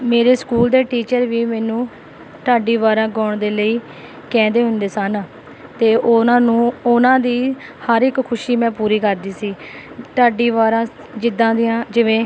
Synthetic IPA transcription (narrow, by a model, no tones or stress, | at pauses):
meːɾeːskuːld̪eːʈiːt͡ʃəɾʋiːmɛːnũː | ʈ̪aːɖiːʋaːɾãːɡɔːɳd̪eːləiː | kɛ̃ːnd̪eːɦʊnd̪eːsən | t̪eːʊnãːnũːʊnãːd̪iːhəɾɪkkʰʊʃiːmɛ̃ːpuːɾiːkəɾd̪iːsiːt̪aːɖiːʋaːɾãː | d͡ʒɪd̪ãːd̪ɪjãːd͡ʒɪʋẽː